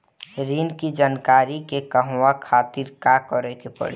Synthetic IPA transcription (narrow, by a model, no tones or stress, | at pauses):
ɾiːnkid͡ʒaːnkaːɾikekəɦakʰaːt̪iɾkakɔɾɛkepə̰ɽ̤i